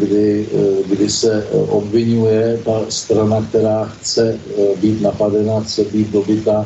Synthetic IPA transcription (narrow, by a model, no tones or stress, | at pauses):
ɡdɪɡdɪsɛʔo̞bvɪɲujɛt̪ast̪ɾanak̚t̪ɛɾaːxt͡sɛbiːt̪napadɛnaxt͡sɛbiːt̪̚do̞bɪt̪a